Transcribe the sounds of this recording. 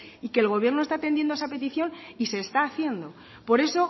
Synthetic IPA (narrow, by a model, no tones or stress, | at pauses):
ike̞ːlɣ̞o̞β̞je̞ɾnost̪at̪enje̞nd̪oesape̞t̪iθjo̞nise̞ːst̪aːθje̞nd̪o̞ | po̞ɾe̞so̞